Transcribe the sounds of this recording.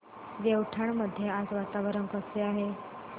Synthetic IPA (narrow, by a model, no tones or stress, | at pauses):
d̪ewʈʰaɳməd̪ʱːjead͡zʋat̪aʋəɾəŋkəseaɦe